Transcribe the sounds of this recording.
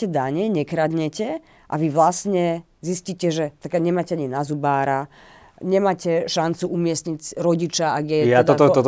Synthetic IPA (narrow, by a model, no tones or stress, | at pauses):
ɛd̪aɲɛɲɛkɾad̪ɲɛcɛ | ʔa̰ʋiʋlasɲɛ | zisciːcɛʒɛt̪akaɲɛmaːcɛaɲinazubaːɾa | ɲɛmaːcɛʃant͡suʔumɪɛst̪ɲicɾɔɟit͡ʃaaɡjɛjat̪ɔt̪ɔɔt̪